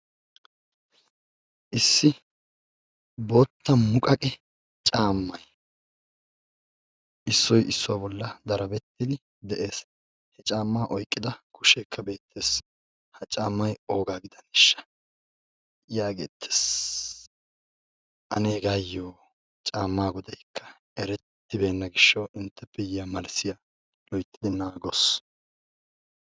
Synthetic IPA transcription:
ʔɪsːɪ | bo̞ːt̪ːɐmʊkʼɐkʼɛ | t͡ʃʼaːmːɐj | ʔɪsːɔjɪsːɔwabɔlːɐd̪ɐɾɐbɛt̪ːɪd̪ɪ | d̪ɛʔe̞ːs | hɛt͡ʃʼaːmːaːʔɔjkʼːɪd̪ɐkʰʊʃeːkʰːɐbe̞ːt̪ʰːe̞ːs | hɐt͡ʃʼaːmːɐjo̞ːɡaːɡɪd̪ɐnɪʃːɐ̥ | jaːɡḛːt̪ʰːe̥s | ʔɐ̰neːɡajːoː | t͡ʃʼaːmːaːɡɔd̪ɐjkʰːɐ̥ | ɛɾɛt̪ːɪbe̞ːnːɐɡɪʃːɐwɪnt̪ːɛpːɛjɪjamɐlsɪja | lɔjt̪ːɪd̪ɪnaːɡɔs

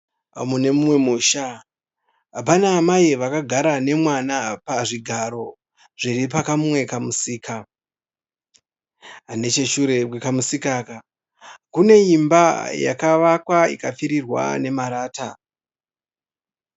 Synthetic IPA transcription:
mune̞mumwe̞muːʃa | ɦapanaːmaiʋakaɡʱaɾane̞mwanapaʐiɡʱaɾo̞ | ʐ̥iɾipakamumwe̞kamusiːka | ɦane̞t͡ʃe̞ʃuɾeekamusikaka | kune̞imbaja̰kaʋakwaḭkafiɾirwa̰ne̞maɾaːta

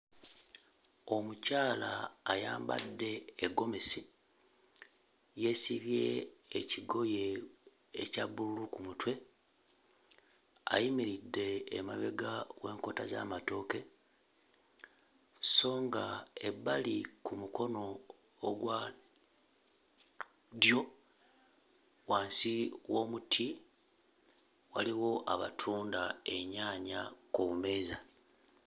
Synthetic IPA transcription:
o̞mucaːlaːja̰ːmba̰dːe̞ːɡo̞mesi | je̞siβje̞ːciɡo̞je̞ː | caβululukumutwe̞ | a̰jimiɾidːe̞ːmaβe̞ɡawe̞ːŋko̞taza̰mato̞ke̞ | so̞ːŋɡae̞bːalikumuko̞no̞ː | ɡwa | djo̞ | waːnsiwo̞ːmutʰi | waliwo̞ʔaβa̰tʰuːndae̞ɲaːɲakoβume̞ːza

